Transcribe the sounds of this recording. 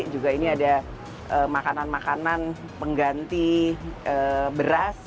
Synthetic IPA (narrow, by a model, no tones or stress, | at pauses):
d͡ʒuɡainiada | ʔəmakananmakanan | pəŋɡant̪iəbəɾas